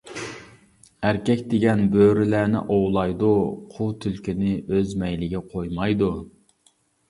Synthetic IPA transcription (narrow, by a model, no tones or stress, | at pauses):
æɾkʲɛkʲd̪eɡʲɛnbøɾɪlænɪ̰ʔowlˠɑjd̪uqʰut̪ʰylkʲinɪøzmɛjlɪɡʲɛqʰojmɑjd̪u